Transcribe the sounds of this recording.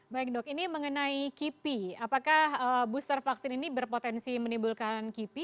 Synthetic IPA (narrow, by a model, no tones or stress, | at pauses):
baɪk̚dʊkiniməŋənaikipiapakahəbust̪ərfaksɪninibərpot̪ɛnsimənimbulkankipi